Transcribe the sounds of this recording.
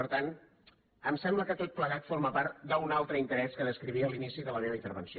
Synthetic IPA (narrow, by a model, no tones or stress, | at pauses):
əɾt̪an | əmsɛmbləkət̪ot̪̚pləɣat̪foɾməpaɾt̪d̪əunalˠt̪ɾəint̪əɾɛskəðəskɾiβiəːlinisiðələneɾəint̪əɾβənsi